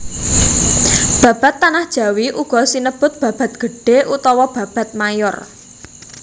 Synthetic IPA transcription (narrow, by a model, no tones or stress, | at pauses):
b̥ä̤b̥a̤t̪ːanahd̥ʒ̥ä̤wiʔuɡ̥ɔ̤sinəb̥ʊt̪̚b̥ä̤b̥a̤t̪̚ɡ̥ə̤ɖ̥e̤ʔut̪ɔwɔb̥ä̤b̥a̤t̪̚majʊ̰r